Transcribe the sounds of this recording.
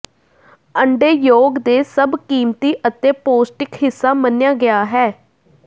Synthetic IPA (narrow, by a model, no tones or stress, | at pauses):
əɳɖeːjoːɡd̪eːsəbkiːmt̪iːʔət̪eːpoːsʈɪkɦɪsːaːmənjaːɡɪjaːɦɛː